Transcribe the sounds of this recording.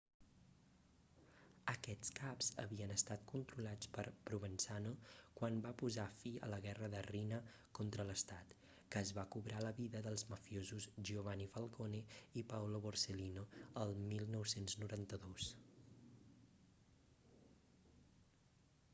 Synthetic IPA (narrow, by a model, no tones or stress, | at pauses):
əkɛt͡skapzə̰βiənəst̪at̪̚kunt̪ɾulat͡spəɾpɾuβənsanokwambapuzafiə̰ləɣɛrəðərinə | kont̪ɾələst̪at̪ | kəːzβakuβɾaləβiðəðəlˠzməfiozuzʒioβanifəlˠkoneipawloβorselinoəlˠmilˠnɔwsenznuɾant̪əðos